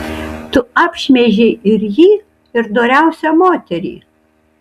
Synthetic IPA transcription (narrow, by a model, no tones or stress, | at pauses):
t̪ʊɑːpʲʃʲmʲɛʒʲeːʔɪɾjiː | ɪɾd̪oːɾʲæˑʊsʲɛmoːt̪ʲɛɾʲḭː